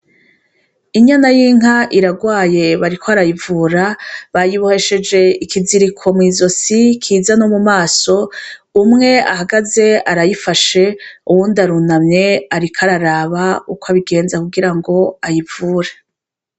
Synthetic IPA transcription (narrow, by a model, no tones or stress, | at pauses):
iɲanajiːŋ̥ɦaʔiɾaɡwaːje̞βaɾikʰoaɾajivuːɾaβajiβuheʃe̞d͡ʒe̞ikʰiziɾikʰo̞mŋiːzo̞sikʰiːzanomumaːso̞ | umŋe̞a̰haɡaze̞aɾajifaʃe̞uwuːndaɾunamɲe̞aɾikʰaɾaɾaβaukoaβiɡe̞ːnzakuɡiɾaŋɡo̞ajivuːɾe